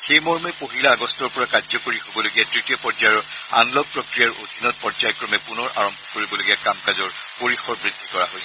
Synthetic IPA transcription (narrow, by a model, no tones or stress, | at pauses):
xejmɔɹmɛpoɦilaːɡɔstɔɹpɔɹakazɔkoɹihobɔloɡiadɹitijɔpɔzajɔɹ | a̰nlɔɡ̚pɹɔkɹijaɹodʱinɔt̚pɔzajɔkɹɔmɛpunɔɹʔa̰ɹɔmbʱɔkoɹibɔloɡiakamkazɔɹ | poɹixɔɹbɹid̥ʱːi̥kɔɹaɦojsɛ